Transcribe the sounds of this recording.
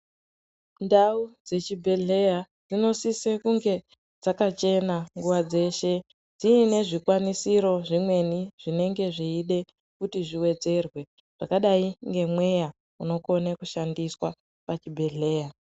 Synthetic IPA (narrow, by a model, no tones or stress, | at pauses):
ndaud͡ze̞t͡ʃibʱe̞ɮe̞ja | d͡zino̞sisekuŋɡe̞ | d͡zakat͡ʃe̞naŋɡuʋad͡ze̞ːʃe̞ | d͡ziːne̞ʐikwanisiɾo̞ʐimwe̞niʐ̥ine̞ŋɡe̞ʐiːɗe̞ | kutiʐiwe̞d͡ze̞rwe̞ | ʐ̥akaɗaiŋɡe̞mwe̞ja | uno̞ko̞nekuʃandiswa | pat͡ʃibʱe̞ɮe̞ːja